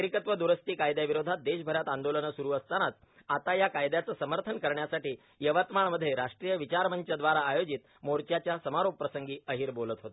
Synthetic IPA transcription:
əɾikət̪ʋəd̪uɾəst̪iːkajd̪jaʋiɾod̪ʱat̪̚d̪eɕbʱəɾjat̪and̪olənəsuɾuːəst̪añat͡s | at̪ajakajd̪jat͡səːsəməɾt̪ʰənkəɾɳjasaʈiː | jəʋat̪maɳməd̪ʱːjeɾaʂʈɾijəʋit͡ɕaɾməɲt͡ɕəd̪ʋaɾaːjod͡ʑit̪ | moɾt͡ɕjat͡ɕjasəmaɾop̚pːɾəsəŋɡiːəɦiːɾbolət̪ɦot̪e

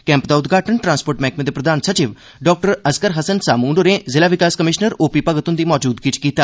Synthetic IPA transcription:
kɛ̃ːmpd̪aːʊt̪ɡʱaːʈəɳʈɾãːnspoːɾʈmɛːkmẽːd̪eːpɾəd̪aːnsət͡ʃiʋ | ɖɔːk̚ʈəɾəskəɾɦəsənsaːmuːɳɖoɾẽːzɪlaːʋɪkaːskəmɪʃnəɾoːpiːpəɡət̪ʊnd̪iːmɔːd͡ʒuːd̪ɡit͡ʃkiːt̪aː

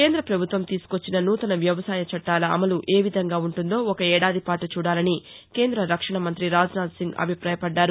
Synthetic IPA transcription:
keːnd̪ɾɐpɾɐbʱut̪ʋɐmt̪iːsu̥ko̞t͡ʃːinɐnuːt̪ɐnɐʋjɐʋɐsaːjɐt͡ʃɐʈːaːlɐɐ̰mɐluʔe̞ːʋid̪ʱɐŋɡaːuɳʈund̪o̞ːɔkɐɛːɽaːd̪ʱipaːʈut͡ʃuːɽaːlɐni | ke̞ːnd̪ɾɐɾɐkʂɐɳɐmɐnt̪ɾiɾaːd͡ʒunaːd̪siŋɡɐ̰bʱipɾaːjɐpɐɖːaːɾu

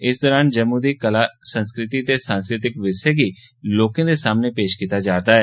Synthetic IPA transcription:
ɪs̬d̪ɔːɾaːnd͡ʒəmːũːd̪iːkəlaːsənskɾɪt̪iːt̪eːsãːnskɾɪt̪ɪkʋɪʃekiː | loːkãd̪eːsaːmnepeːʃkiːt̪aːd͡ʒaːt̪aːɦɛː

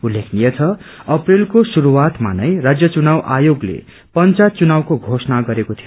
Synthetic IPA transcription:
ulːekʰnijet͡sʰʌʌprilkosuɾuwat̪ma̰nʌjrad͡zjʌt͡sunawʔajoɡlḛ | pʌnt͡sat͡sunawkoɡʱosnaɡʌɾekot̪ʰio

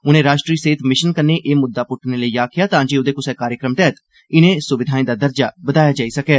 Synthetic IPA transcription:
ʊnẽːɾaːʃʈɾiːseːɪt̪mɪʃənkənːeːʔeːmʊd̪ːaːpʊʈʰneːləiːaːkʰɪjaːt̪ãːd͡ʒeːod̪eːkʊsɛːkaːɾjəkɾəmʈ̪ɛːt̪ | ɪnẽːsʊʋɪd̪ʱaːĩːd̪aːd̪əɾd͡ʒaːbəd̪aːjaːd͡ʒaːiːsəkɛː

